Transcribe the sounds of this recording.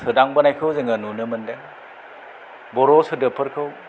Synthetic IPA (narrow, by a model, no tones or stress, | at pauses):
sɯdaŋbɐnajkʰɯwzɯŋɐnunɯmɐndeŋ | bɔɾɔsɯdɯpʰɯɾkʰɯw